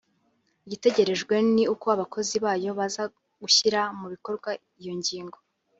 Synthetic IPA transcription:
ɟite̞ɟe̞ɾe̞ʒɡwe̞niukoaβakʰo̞ziβaːjo̞βaza | ɡ̥uçiɾamuβiko̞ɾɡwa | ijo̞ɲɟiːŋɡo̞

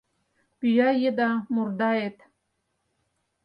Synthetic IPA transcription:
pyjɑjed̪ɑmurd̪ɑet̪

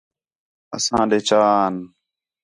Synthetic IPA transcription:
ə̰sãːɗeːt͡ʃaːn

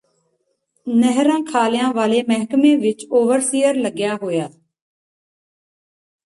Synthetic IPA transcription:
nəɦɾãːkʰaːljãːʋaːleːmɛɦkmẽːʋɪt͡ʃoːʋəɾsiːəɾləɡjaːɦoːjaː

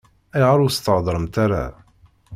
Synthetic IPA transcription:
æjʁaɾˤust̪əʕd̪ˤɾˤəmt̪aɾa̰

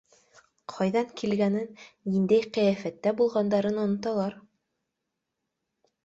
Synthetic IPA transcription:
qʰɑjðɑŋkʰilɡænɘnnind̪æjqæjæfæt̪ːæbulˠʁɑnd̪ɑɾɤnŏnŏt̪ɑlˠɑɾ

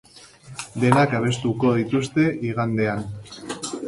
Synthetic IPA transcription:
d̪e̞nakaβ̞e̞st̪ukoð̞it̪ust̪e̞ʔiɣand̪e̞an

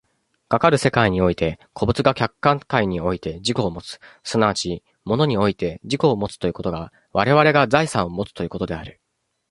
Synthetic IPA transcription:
ɡ̥akaɾɯ̟se̞kaiɲ̟io̞it̪e̞kʰo̞bɯ̟t͡sɨɡakʲakːãŋt̪aiɲ̟io̞it̪e̞ʑiko̞ːmo̞t͡sɨ̥sonaβat͡ɕi | mo̞no̞ɲ̟io̞it̪e̞d͡ʑiko̞ːmo̞t͡sɨ̥t̪o̞jiɯ̟ko̞t̪o̞ɡa | βaɾe̞β̞aɾe̞ɡazaisãɰ̃o̞mo̞t͡sɨ̥t̪o̞jiɯ̟ko̞t̪o̞d̪e̞aɾɯ̟

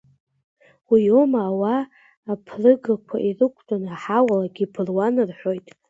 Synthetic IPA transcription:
wijomaːwaː | pʰrɨɡakʷʰa̰ʔirɨkʷʰtʼanaħawalaɡʲipʰɨrwanɨrħʷᶣo̞jtʼ

